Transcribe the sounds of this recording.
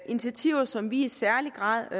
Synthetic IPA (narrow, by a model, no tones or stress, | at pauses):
int͡sʰiæt͡sʰiʊɐsɒ̽mʋiisæɐliɡ̥ʁɑ̰̈ːð̰ˠ